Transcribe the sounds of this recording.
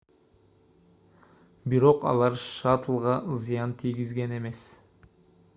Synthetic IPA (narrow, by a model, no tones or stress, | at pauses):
biɾo̞qɑ̰lˠɑɾʃɑt̪əlˠʁɑzijɑnt̪ʰijɡʲizɡe̞ne̞me̞s